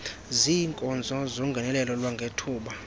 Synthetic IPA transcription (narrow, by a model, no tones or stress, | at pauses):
ziːŋkʼɔnd͡zʱɔzoŋɡʱɛnɛlɛlɔlwaŋɡʱetʰuːɓa